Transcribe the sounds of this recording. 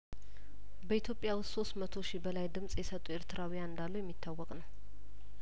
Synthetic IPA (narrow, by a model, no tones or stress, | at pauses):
bəit̪ʰjo̞pʼjawʊsso̞st̪mət̪ʰo̞ʃibəlajd̪ɨmsʼjɛsət̪ʼːueɾt̪ʰɨɾawijanɨnd̪alːujɛmːit̪ʰːawːɔkʼnəw